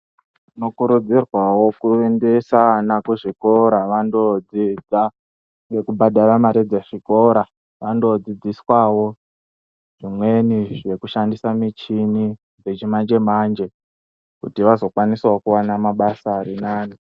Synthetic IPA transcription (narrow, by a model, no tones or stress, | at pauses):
ino̞kuɾud͡zirwawo̞kuende̞sanakuʐiko̞ɾaʋando̞d͡zid͡za | ŋɡe̞kubaɗaramaɾid͡zeʐ̥iko̞ɾa | ʋando̞d͡zid͡ziswawo̞ | ʐ̥imwe̞niʐe̞kuʃandisamit͡ʃini | d͡ze̞t͡ʃimand͡ʒe̞mand͡ʒe̞ | kutiʋazo̞kwaniswaokuwanamaɓasaɾinaːni